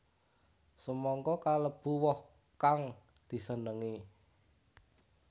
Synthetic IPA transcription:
səmɔŋkɔkaləb̥ṳwɔh | kaŋ | d̪̥i̤sənəŋi

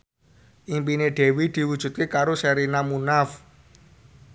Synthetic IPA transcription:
ʔimpineɖ̥e̤wid̪̥i̤wud̥ʒ̥ṳt̪̚kekaɾosɛɾinamunaf

